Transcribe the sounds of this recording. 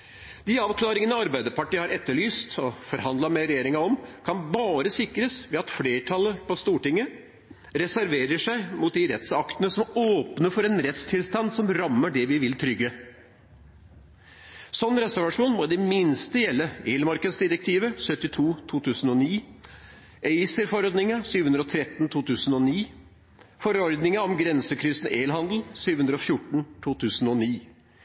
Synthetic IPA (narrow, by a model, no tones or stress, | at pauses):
d̪̥ɪɑːʋklɑːɾɪŋənəɑɾbæɪd̪əɾpɑʈiːhɑɾɛt̪ːəɭyːst̪ɔfɔɾɦɑnd̪lɑmɛɾɛjeːɾɪŋɑɔmkʰɑnbɑːɾəsɪkɾəsʋɛɑt̪fleːʈʰɑlːəpɔst̪uːʈɪŋːə | ɾɛsæɾʋeːɾəʂæɪmʊt̪̚d̪ɪɾɛ̰t̪sɑkt̪ənəsɔmoːpnəfɔɾɛnɾɛt̪st̪ʰɪlst̪ɑnd̪sɔmɾɑmːəɖɛʋɪʋɪlt̪ʰɾʏɡːə | sɔnːɾɛsæʋɑʂuːnmɔd̪ɛmɪnst̪əjɛlːəeːlmɑɾkəd̪sd̪ɪɾək̚t̪ʰiːʋəsœt̪ːɪt̪ʰuːt̪ʰuːt̪ʰʉːsən̩ɔniː | ʔɛɪsəɾfɔɾɔd̪nɪŋəsyːʋəhʉnd̪ɾɔt̪ʰɾɛt̪ːn̩t̪ʰuːt̪ʰʉːsənɔniː | fɔɾɔɾd̪nɪŋəɔmɡɾɛnsəkʰɾʏsn̩eːlɦɑnd̪l̩syːʋəhʉnd̪ɾəɔfjʊʈɳ̩t̪ʰuːt̪ʰʉːsn̩ɔniː